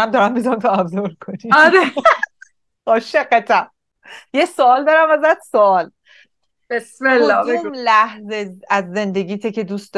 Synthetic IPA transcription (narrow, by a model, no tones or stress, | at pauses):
æmd̪ɒːɾæmbizɒnt̪ʰoæbzoɾkʰoniɔɾe | ɒːʃeqːæt̪ʰæm | jesoɒːld̪ɒːɾæmæzæt̪soɒːl | b̥esmelːɒːbemlæhzeæzːe̞nd̪e̞ɟʲiːt̪ʰecʰed̪uːst̪ɒ